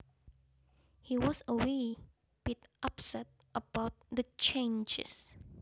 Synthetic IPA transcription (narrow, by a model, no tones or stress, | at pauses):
hiwɔsəwe | b̥itʔapsɛt̚ʔəbaʊt̚dət͡ʃẽnd͡ʒɪ̰s